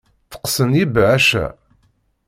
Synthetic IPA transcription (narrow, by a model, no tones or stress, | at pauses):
θə̥qsənjibʕæʃæ̰